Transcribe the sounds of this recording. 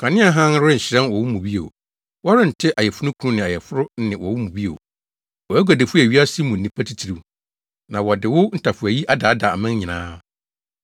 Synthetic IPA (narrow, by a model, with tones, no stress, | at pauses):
kʰã˨nɪ̃˦a˦ɦã˦n˦ɾʊ˦ɪ˦ɲ̩˨ɕɪ˨ɾɛ̃˦nwɔ˨wʊ˦mũ˨bi˦o̰˨ | wɔ˦ɾɪ̃˦n̩˨tʰɪ˦ʔa˨jɛ˨fʊ˦nʊ̃˦kʰu˦ʊ̃˦nɪ̃˨a˨jɛ˨fʊ˦ɾʊ˦nɪ̃˨wʔɔ˨wʊ˦mũ˨bi˦o̰˨ | wɔ˨æ˦ɡa˨de˨fʊ˦æ˨ɥi˦a˦si˦mũ˨n̩˨nĩ˨pʰa˦tʰi˦tʰi˨ɾi˦ | nã˨wɔ˨dɪ˨wʊ˦n̩˦tʰa˨fʊ˨æ˨ji˦ʔa˦da˨˦da˨a̰˨mɪ̃˦n˦ɲɪ̃˨nãː˦